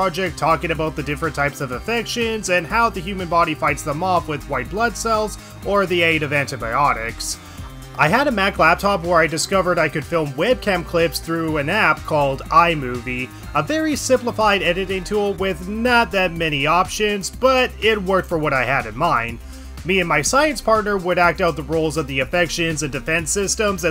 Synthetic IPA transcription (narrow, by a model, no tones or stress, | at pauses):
ɹɑd͡ʒɛk̚tʰɔkɪ̃ŋɨbaʊt̪̚ðɨdɪfɹɨ̃ntʰaɪpsʌvɨfɛkʃɨ̃nzɨ̃nhaʊðɨhjʉmɨ̃nbɑɾifaɪtsðəmɑpwɪðwaɪt̚b̥lʌd̥sɛlˠz | ʔə˞ðieɪɾʌvæ̃ntɨbaɪɑɾɪks | ʔaɪɨɾɨmækʰlæp̚tʰɑpwə˞aɪdɨskʌvə˞ɾaɪkɨd̥fɪlˠmwɛd̚kʰæ̃mkʰl̥ɪpsθɹʉɨ̃næp̚kʰɔlˠdaɪmʉvi | əvɛɹisɪ̃mpləfaɪɾɛɾɨɾɪ̃ŋtʰulˠwɪðnət̪̚ðɨt̚mɛñiɑpʃɨ̃nzb̥ʌɾɪt̚wɜ˞k̚tfə˞wʌɾaɪɨɾɨ̃nmãɪ̃n | miɨ̃nmaɪsaɪɨ̃nspʰɑɹtⁿnə˞wəɾæk̚taʊt̪̚ðəɹoʊlˠzʌvðiɨfɛkʃɨ̃nzɨ̃ndɨfɛ̃nsɪstə̃mzɨ̃